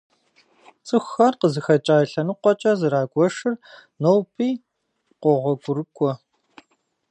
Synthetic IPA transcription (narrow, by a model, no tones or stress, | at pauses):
t͡sʼɨxʷɐrqəzɨxɐt͡ʃʼaːjɬɐnɨqʷɔt͡ʃʼɐzɨɾaːɡʷɔʂɨrnowpʰiː | qʷɔʁʷɔɡʷʊɾɨkʷʼɔ